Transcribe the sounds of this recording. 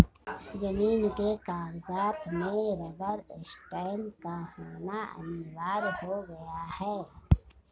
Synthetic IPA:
zɐmiːnkekaːwzaːt̪mẽɾebəɾɪsʈaːɪnkahoːnaɐ̰niʋaːɾhoɡɐjahɛː

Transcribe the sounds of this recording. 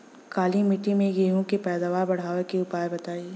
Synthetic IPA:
kaːlimɪʈːimẽjeɦũkepɛːd̪aːʋaːɾbɐɽ̤aːʋekeʊpaːebɐt̪aːiː

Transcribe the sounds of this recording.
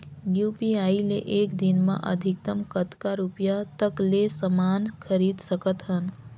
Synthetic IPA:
juːpiaːileʔeːkd̪ɪnmã̰ʔɐ̰d̪ʱɪk̚t̪əmkət̪kaɾupjat̪əkleːsəmaːnkʰəɾiːd̪səkət̪ɦən

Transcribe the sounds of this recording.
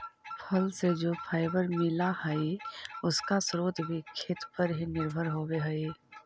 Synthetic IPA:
pʰəlsed͡ʒoːpʰaːɪbəɾmɪlahəiʊskasɾoːt̪bʱikʰeːt̪pəɾɦinɪɾbʱəɾɦoːbeɦəi

